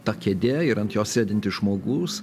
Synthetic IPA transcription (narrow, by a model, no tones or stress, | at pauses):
t̪ɑkʲeːd̪ʲeːɪɾɐnt̪joːssʲæːd̪ʲɪnʲt̪ʲɪʒmoːɡuːs